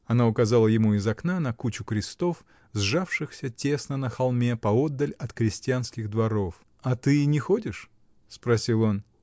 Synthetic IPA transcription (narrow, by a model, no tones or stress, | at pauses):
ɐnaʊkɐzalˠəjɪmuɪzɐknanɐkut͡ɕʊkɾʲɪst̪o̞f | zʐafʂɨxsʲətʲe̞snənəxɐlˠmʲe̞pɐo̞d̪ːəlʲɐt̪kɾʲɪsʲtʲɪjanskʲɪɣd̪vɐɾo̞f | ɐt̪ɨɪnʲɪxodʲɪʂ | spɾɐsʲilˠo̞n